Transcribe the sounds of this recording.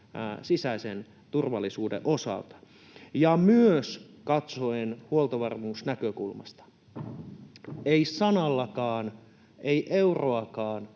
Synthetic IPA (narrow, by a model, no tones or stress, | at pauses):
sisæisen | t̪urʋɑlːisuːdḛʔosɑ̰lt̪ɑ̥ | jɑmyøs | kɑt̪soenhuolt̪ɑʋɑrmuːsnækøkulmɑ̰st̪ɑ̥ | eisɑnɑlːɑkɑːn | eiʔeuroɑkɑːn